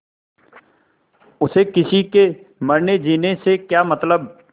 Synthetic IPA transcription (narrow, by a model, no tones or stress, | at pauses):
ʊsekɪsikemɐɾned͡ʒiːnesekjaːmɐt̪ləb̚